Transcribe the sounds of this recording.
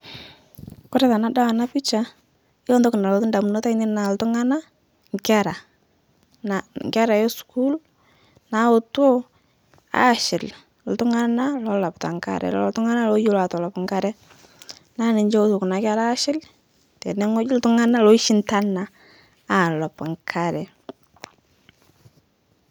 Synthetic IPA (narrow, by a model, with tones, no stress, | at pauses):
kʊ˦ɾɛ˦ta˨na˦da˦wa˨na˦pi˦t͡ʃa˦ | ɪ˦o˦ndɔ˦kʊ˨na˨lɔ˨tɪ˦nda˨m˨no˦ta˦ɪ˦nɪ˦na˨ltʊ˦ŋa˦na˦ | ŋka˦ɾa˨ | na˨ŋka˦ɾa˨jɔ˦sku˦l | na˦o˨to˦ | a̰˦˨ʃɪ˨l | l̩˨tʊ˦ŋa˦na˦lɔ˦la˨pta̰˨ŋka̰˦˨ɾɛ̰˨lɔ̰ltʊ˦ŋa˦na˦lɔ˦jo˦la˨tɔ˨lɔ˨pŋka˦ɾɛ˦ | na˦nɪ˨ɲd͡ʒɛ˦o˦to˨ku˨na˨ka˦ɾaː˦ʃɪ˦l | tɛ˨nɛ˦ŋɔ˦d͡ʒɪ˦ltʊ˦ŋa˦na˦lɔ˦ɪ˦ʃɪ˦nta˦na˨ | a˨lɔ˨pa˨ŋkʰa˦ɾɛ˨